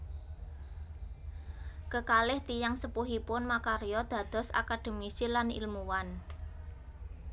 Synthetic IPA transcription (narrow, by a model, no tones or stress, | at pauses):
kəkalɪht̪ijaŋsəpuɦipʊnmakaɾijɔd̪̥a̤d̪̥ɔ̤sa̰kad̪̥ə̤misilanḭlmuwan